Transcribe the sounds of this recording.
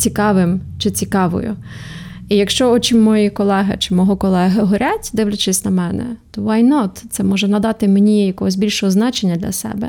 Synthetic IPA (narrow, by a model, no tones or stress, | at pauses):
t͡sʲikɑʋɪmt͡ʃɪt͡sʲikɑʋɔ̰jʊ̰ | ijɐkʃt͡ʃɔɔt͡ʃimɔjikɔlˠɛɦɐt͡ʃɪmɔɦɔkɔlˠɛɦɐɦɔɾʲatʲd̪ɪʋlʲʊt͡ʃɪsʲnɐmɛnɛ̰t̪ɔʋɑjnɔt̪t̪sɛmɔʒɛnɐd̪ɑt̪ɪmenʲijɐkɔɦɔzʲbʲilʲʃɔɦɔznɑt͡ʃenʲːɐd̪lʲɐ̰sɛ̰bɛ̰